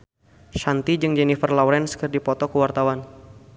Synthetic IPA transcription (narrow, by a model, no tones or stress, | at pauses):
ʃant̪id͡ʒɨŋd͡ʒɛnifərlawɾɛnskərdipɔt̪ɔkəwart̪awan